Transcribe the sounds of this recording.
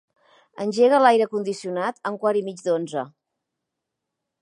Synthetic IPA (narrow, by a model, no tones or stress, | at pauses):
ənʲʒeɣ̞əlajɾəkund̪isiunat̪əŋkwaɾimid͡ʒd̪onzə